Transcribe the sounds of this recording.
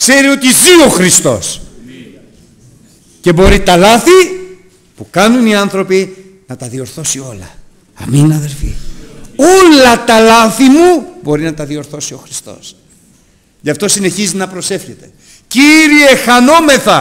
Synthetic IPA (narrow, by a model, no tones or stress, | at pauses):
kse̞ɾio̞t̪izio̞xɾist̪o̞̰s | ce̞bo̞ɾit̪ɐlɐθi | pukɐnuniɐnθɾo̞pi | nɐt̪ɐðio̞ɾθo̞sio̞lɐ | ɐ̰minɐðe̞lfḭo̞lɐt̪ɐlɐθimubo̞ɾinɐt̪ɐðio̞ɾθo̞sio̞xɾi̥st̪o̞̰s | ʝɐft̪o̞sine̞çizit̪enɐpɾo̞se̞fçe̞t̪e̞̥ | ciɾie̞xɐno̞me̞θɐ